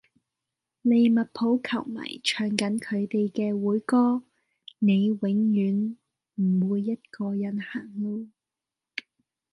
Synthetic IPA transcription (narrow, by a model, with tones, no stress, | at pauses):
le˨˧jmɐ˨t̚pʰo˨˥wkʰɐ˨˩wma̰ː˨˩jt͡ʃʰœː˨˧˩ŋkɐ˨˥nkʰɵ˨˧ɥt̪e˨jkɛː˧wuː˨˥jkɔː˥ | ne˨˧jwɪ˨˥ŋjyː˨˥n | m̩˨˩wuː˨˧jːɐ˥t̚kɔː˧jɐ˨˥nhaː˨˩ŋlo˧w